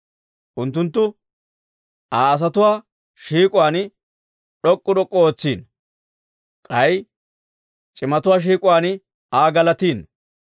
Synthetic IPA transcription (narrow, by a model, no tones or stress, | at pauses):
ʔʊnt̪ːʊnt̪ːʊ | aːɐs̬ɐt̪ʊwaː | ʃiːkʼʊwaːn | ɗɔkʼːʊd̪ɔkʼːɔoːt͡sːiːn | kʼɐj | t͡ʃʼɪmɐt̪ʊwaːʃ̬iːkʼʊwaːnɪ | aːɡɐlɐt̪iːn